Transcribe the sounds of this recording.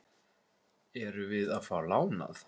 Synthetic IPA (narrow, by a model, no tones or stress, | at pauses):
ɛɾʏvɪðaðfaːwlaːwna̰θ